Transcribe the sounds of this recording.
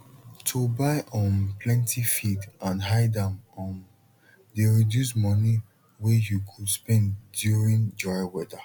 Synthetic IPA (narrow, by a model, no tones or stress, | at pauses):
tʰubaɪʔɔ̃npʰlɛ̃ntʰifitãnɦaɪdãmɔn | deɹidjusmɔni | wɛjukʰudspɛ̃ndjuɹĩnd͡ʒɔjwɛdə